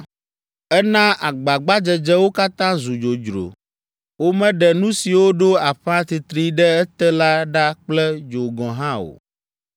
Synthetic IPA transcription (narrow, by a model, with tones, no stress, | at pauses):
ɛ˦nã˦ʔa˨ɡ͡ba˨ɡ͡ba˦d͡ʒɛ˨d͡ʒɛ˦wo˦ka˦t̪ã˦zu˨d͡ʒo˨d͡ʒɾo̰˨ | wo˦mɛ̃˦ɖɛ˨nũ˦si˨wo˦ɖo˦a˨ɸã˦t̪i˨t̪ɾi˦ɖɛ˦ɛ˦t̪ɛ˦la˦ɖa˦k͡plɛ˦d͡ʒo˨ɡɔ̃˨ɦã˦o̰˨